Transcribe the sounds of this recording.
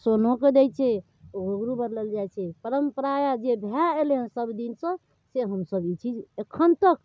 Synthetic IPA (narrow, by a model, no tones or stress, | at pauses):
sonoked̪ɛjt͡ʃʰɛ | ɡʱoɡɾubəɾləld͡ʒajt͡ʃʰɛpəɾəmpəɾajad͡ʒebʱjaeleɦənsəbd̪insə̃ | seɦəmsəbit͡ʃʰid͡ʒekʰːənt̪ək